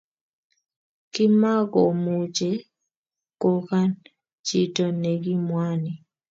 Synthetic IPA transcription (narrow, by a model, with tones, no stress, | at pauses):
kɪ˦ma˦ɡɔ˨mu˨d͡ʒe˦˨ | ko˦ka˦n | t͡ʃi˦tɔ˨ne˨ɡi˦mwa˦ni˨